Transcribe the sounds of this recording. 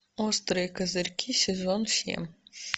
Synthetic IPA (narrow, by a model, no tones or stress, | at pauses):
ɔst̪ɾɪjikɐzɪɾʲkʲʰisʲezɔnsʲḭm